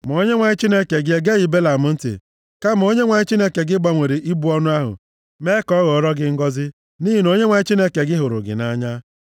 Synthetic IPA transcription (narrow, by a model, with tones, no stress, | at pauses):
m˨o˦ɲe˦ŋʷa˨ɲɪ˦t͡ʃi˦ne˦ke˨ɡɪ˦e˦ɡe˦ji˨be˦la˨mʊ˦n̩˦tɪ̰˨ | ka˦m˨o˦ɲe˦ŋʷa˨ɲɪ˦t͡ʃi˦ne˦ke˨ɡɪ˦ɡ͡ba˦ŋʷe˨ɾi˨ʔi˦bu˦ɔ˦nʊ˦a˦ɦʊ̰˨ | me˦kɔ˦ɣɔ˨˦ɾɔ˦ɡɪ˦ŋ̩˦ɡɔ˦zɪ˦ | ni˦ɦi˨no˦ɲe˦ŋʷa˨ɲɪ˦t͡ʃi˦ne˦ke˨ɡɪ˦ɦʊ˨ɾʊ̰˨ɡɪ̰˨na˦ɲa˦